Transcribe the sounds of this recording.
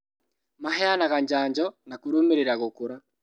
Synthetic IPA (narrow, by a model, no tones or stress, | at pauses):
maɦɛanaɣaɲd͡ʒaːɲd͡ʒɔnakuɾomeɾeɾaɣokoɾa